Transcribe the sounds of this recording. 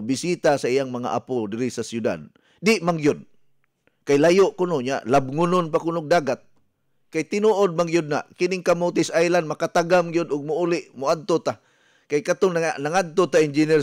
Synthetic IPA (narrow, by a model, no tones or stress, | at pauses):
bɪsit̪asaijaŋmaŋa̰ʔa̰pʊdɪɾɪsasjʊda̰d̪̚ | dɪʔmaŋɡjʊd̪̚ | kajlajoʔkʊnoɲa̰ʔlab̚ŋʊnʊnpakʊnʊɡ̚daːɡat̪̚ | kajt̪ɪnuʔod̪̚maŋɡijʊd̪̚na̰ʔkɪnɪŋkamʊt̪̬ɪsajlandmakat̪aɡamɡijʊd̪ʊɡ̚mʊulɪʔmʊad̪̚t̪ot̪a | kajkat̪oŋnaŋad̪̚t̪ot̪aɪnd͡ʒinɛ